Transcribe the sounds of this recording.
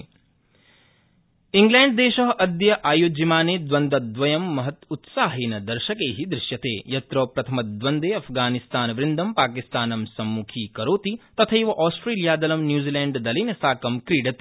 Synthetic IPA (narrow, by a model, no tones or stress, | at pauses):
iŋɡlɛːɳɖd̪eːʃɐɦʔɐd̪jɐʔaːjoːd͡ʒimaːneːd̪ʋɐnd̪ɐd̪ʋɐjɐmːɐɦɐt̪ut̪saːɦeːnɐd̪ɐɾʃɐkeːɦid̪ɾɪʃjɐt̪eːjɐt̪ɾɐːpɾɐt̪ʰɐmɐd̪ʋɐnd̪eːɐpʰɡaːnist̪aːnɐʋɾɪnd̪ɐmpaːkist̪aːnɐmsɐmːukʰiːkɐɾoːt̪it̪ɐt̪ʰɐiʋɐʔaːsʈɾeːlijaːd̪ɐlɐmnjuːziːlɛːɳɖd̪ɐlinɐsaːkɐmkɾiːɖɐt̪ː